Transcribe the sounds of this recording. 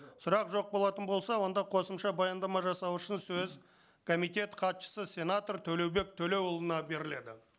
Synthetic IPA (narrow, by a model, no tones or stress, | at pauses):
sʊɾɑqʒo̞q̚bo̞lˠɑt̪ənbo̞lˠsɑwo̞nd̪ɑqʰo̞səmʃɑbɑjɑnd̪ɑmɑʒɑsɑwʊʃɪnsɵz | kʰo̞mijt̪e̞t̪qʰɑt̪ʃə̥səsʲe̞nat̪oɾt̪ʰɵle̞wbe̞k̚t̪ʰɵle̞wolˠənɑbe̞ɾɪle̞d̪ɪ